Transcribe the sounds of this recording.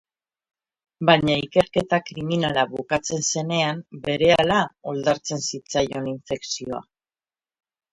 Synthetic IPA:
baɲaike̞ɾke̞t̪akɾiminalaβukat͡se̞nse̞ne̞ambe̞ɾe̞alao̞ld̪aɾt͡se̞nsit͡sajo̞niɱfe̞ksio̞a̰

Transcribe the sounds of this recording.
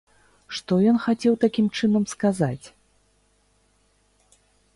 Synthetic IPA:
ʂt̪ɔjɔnxat͡sʲɛwt̪akʲimt͡ʂɨnɐmskazat͡sʲ

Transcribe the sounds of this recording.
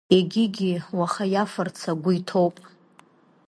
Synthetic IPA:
eɡʲɪɡʲiwaχajafɨrt͡sʰaɡʷʊitʰowpʼ

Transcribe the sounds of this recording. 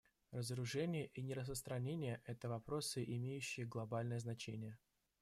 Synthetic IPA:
rəzəɾʊʐɛnʲɪjəʔinʲɪɾəs̬pəst̪ɾɐnʲenʲɪjəʔɛt̪əvɐpɾo̞sɨʔɪmʲejʉɕːɪjəɡlˠɐbalʲnəjəznɐt͡ɕenʲɪjə

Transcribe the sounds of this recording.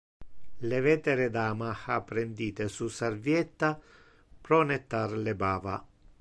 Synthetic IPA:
levɛːt̪eɾed̪aːmaxapːɾend̪iːt̪esusarvjɛt̪ːa | pɾɔnet̪ːarlebaːva

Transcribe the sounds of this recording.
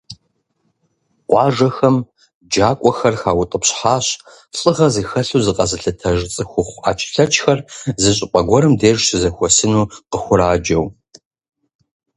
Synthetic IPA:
qʷʼɑːʒɐxɐm | d͡ʒaːkʷʼɔxɐrxaːwʊtʼəpɕħaːɕ | ɬʼɨʁɐzɨxɐɬuːzɨqʼɐzɨɬɐtʰɐʒt͡sʼɨxʷʊχʷa̰ːt͡ʃʼɪ̥ɬɐt͡ʃʼxɐrzɨɕ̬ʼɪqʷʼɐɡʷɔɾɨmdeːʒsɨzɐxʷɔsɨnuːqəxʷʊɾaːd͡ʒɐw

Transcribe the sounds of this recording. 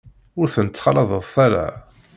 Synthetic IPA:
ʊɾθənt͡sːχɑlɑðˤəðˤθæɾa̰

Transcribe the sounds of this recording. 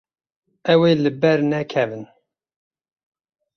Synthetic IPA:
ɛweːlɨbɛɾnɛkʰɛvɨn

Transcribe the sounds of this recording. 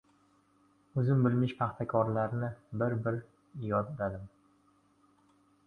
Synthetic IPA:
ɵzɪmbɪlmɪʃpʰɑχt̪ʰakʰɒɾlaɾnɪbɪɾbɪɾ | jɒd̪ːad̪ɪm

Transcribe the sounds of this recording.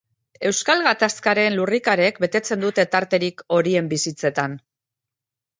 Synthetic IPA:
e̞wskalɣat̪askaɾe̞nlurikaɾe̞kbe̞t̪e̞t͡se̞nd̪ut̪e̞t̪aɾt̪e̞ɾiko̞ɾie̞mbisit͡se̞t̪an

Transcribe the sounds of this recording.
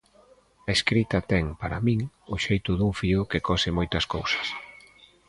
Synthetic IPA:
ɐeskɾit̪ɐt̪ɛŋpaɾɐ̰mĩŋ | ʊʃejt̪ʊðuŋfiʊkekɔsɪmɔjt̪ɐskowsɐ̥s

